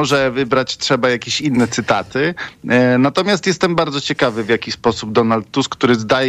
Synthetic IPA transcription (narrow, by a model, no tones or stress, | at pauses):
ɔʐɛvɘbɾat͡ɕtʂɛbajakʲeɕinːɛt̪sɘt̪at̪ɘ | nat̪ɔmʲjast̪jɛst̪ɛmbaɾd̪zɔt͡ɕɛkavɘvjakʲispɔsub̚d̪ɔnalt̪ːuskːt̪uɾɘzd̪ajɛ